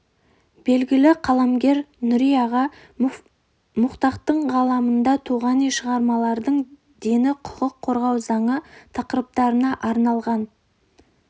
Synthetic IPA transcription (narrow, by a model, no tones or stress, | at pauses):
be̞lɡʲɪlɪqʰɑlˠɑmɡʲe̞ɾnʊɾijɑʁɑ | mʊqt̪ɑqt̪əɴʁɑlˠɑmənd̪ɑt̪ʰuʁɑnijʃəʁɑɾmɑlˠɑɾd̪əɴ | d̪e̞nɪqʰʊ̥qəqʰːo̞ɾʁɑwzɑɴət̪ʰɑqəɾəp̚t̪ɑɾənɑʔɑɾnɑlˠʁɑn